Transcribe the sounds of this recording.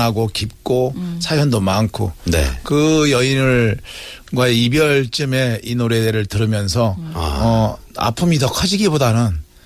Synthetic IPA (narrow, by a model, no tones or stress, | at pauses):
ɦaɡokip̚k͈osʰajʌndomaŋkʰonḛkɯjʌinɯɭ | ɡwaeibjʌɭt͡ɕ͈ɯme̞inoɾe̞deɾɯɭtɯɾɯmjʌnsʰʌʌ | a̰pʰɯmitʌkʰʌd͡ʑiɡibodanɯn